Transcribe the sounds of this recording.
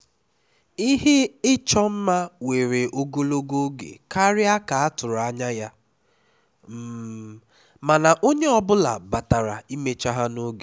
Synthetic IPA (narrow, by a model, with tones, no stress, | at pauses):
i˦ɦe˦ɪ˦t͡ʃɔ˦m̩˦ma˦we˨ɾe˨ʔo˦ɡo˦lo˦ɡo˦ɡḛ˨ka˦ɾɪ˦a˦ka˨a˦tʊ˨ɾʊ˨a˦ɲa˦ja˦ | m̩˦ | ma˨na˨ʔo˦ɲe˦ɔ˨bʊ˦la̰˨ba˨ta˨ɾa˨i˦me˦t͡ʃa˦ɦa˦no˦ɡe˨